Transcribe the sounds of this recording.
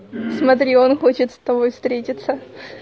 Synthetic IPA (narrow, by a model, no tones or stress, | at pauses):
smɐt̪ɾʲio̞nxo̞t͡ɕɪt̪st̪ɐbo̞jfst̪ɾʲetʲɪt̪sə